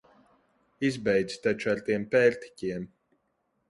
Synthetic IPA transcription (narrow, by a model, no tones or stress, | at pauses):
izbɛjd̪z̥t̪at͡ʃaɾt̪iɛmpɛːlt̪i̥cʲiɛm